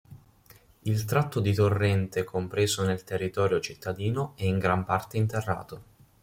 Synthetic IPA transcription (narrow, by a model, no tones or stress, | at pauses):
ilt̪ɾat̪ːod̪it̪orːɛnt̪ekʰompɾeːzonelt̪erːit̪ɔːɾjot͡ʃit̪ʰːad̪iːnoɛiŋɡɾampart̪eint̪erːa̰ːt̪o